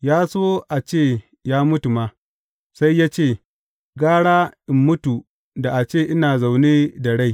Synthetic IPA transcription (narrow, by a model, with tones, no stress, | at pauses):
jaː˦so˦ʔa˨t͡ʃeː˦˨ | jaː˦mʊ˦tu˨ma˦ | sa˦jːaː˦t͡ʃeː˦˨ | ɡaː˦ɽaː˦ʔɪ˨mːʊ˦tu˨ | da˨ʔa˨t͡ʃeː˦˨ʔɪ˦naː˨za˨wneː˦da˨ɽa˦j